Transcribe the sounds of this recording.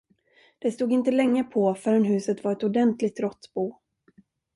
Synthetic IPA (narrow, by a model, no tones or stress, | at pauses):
d̪̥ɛst̪uːɡɪnt̪əlɛŋːəpʰɔfœɾənɦʉ̟ːsət̪vaɾɛt̪ʊd̪ɛnt̪lɪɡ̚t̪ɾɔt̪ːbuː